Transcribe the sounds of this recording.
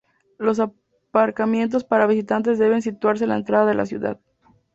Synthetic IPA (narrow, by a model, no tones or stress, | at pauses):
lo̞s̬a | paɾkamje̞nt̪̬o̞spaɾaβis̬it̪ant̪̬e̞zðe̞βe̞ns̬it̪waɾs̬elaent̪ɾaðaðe̞lʔa̰sjṵða̰ð